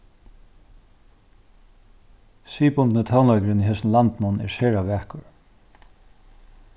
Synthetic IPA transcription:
siːpʊnt̪nət̪ʰawnlaɥkəɾɪniɦɛsnlant̪mʊnɛ̰ɹʃɛːɹaʋæːkʊɹ

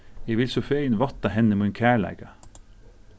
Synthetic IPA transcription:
eːʋɪlsʊfeɪənʋɑt̪ɑhɛnəmʊɛnkʰæːɭæ̰ɡɑ

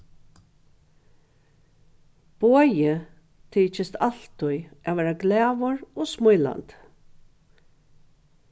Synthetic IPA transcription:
b̥oːjɪ | t̪ʰiːt͡ʃɪst̪al̥t̪ʊjaʋɛːɾaɡlɛːʋɔɹɔsmʊjla̰nt̪

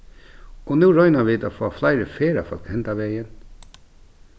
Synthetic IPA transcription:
ɔnuːɹɔʏnaʋɪːd̪afɔːflaɪɾəfeːɾa̰fɔ̰lkhɛnt̪aʋeːjən

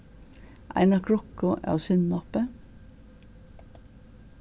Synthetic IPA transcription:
ʔæ̰ɪnɑkʰɹɔkʊʔɑ̰ːsʏnnɔpə

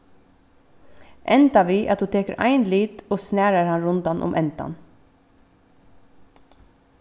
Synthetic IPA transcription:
ʔɛnt̪aʋiːʔa̰t̪hʉːt̪ʰeːkəɾʔa̰ɪnliːt̪oːsnæːɾaɾhanɾʊnt̪anʔʊ̰mʔɛnt̪a̰n

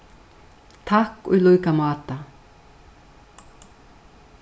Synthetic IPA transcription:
t̪ʰahkɔ̰jlœɥkamɑːt̪a

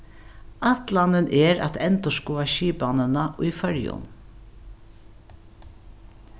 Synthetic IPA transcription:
at̪lanənʔɛɾa̰t̪ɛnt̪ɔskuːaʃiːpanənaʔʊjfœɹjʊ̰n

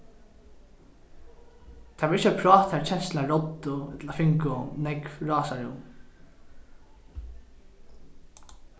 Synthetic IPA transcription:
t̪ʰavɪɾɪt͡ʃəpʰɾɑːt̪haɾt͡ʃʰɛnslaɹɔt̪ːʊɛt̪lafɪŋkʊnɛkvɹɑːsaɹʊ̰m

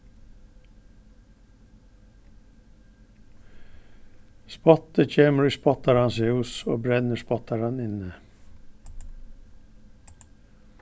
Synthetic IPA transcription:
spɔt̪əc͡çʰeːməɹiːspɔt̪ɑɾɑnseːʊso̰ːbɾɛnəspɔt̪ɑɾɑnɪnə

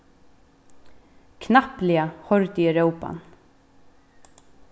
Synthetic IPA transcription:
kʰnahplɪahɔɾt̪iɛɾœwpa̰n

